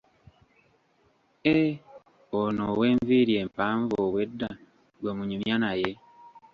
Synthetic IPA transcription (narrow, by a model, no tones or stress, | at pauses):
e | onoweːɱviɾjempaːɱvoβwedːa | ɡwamuɲimjanaje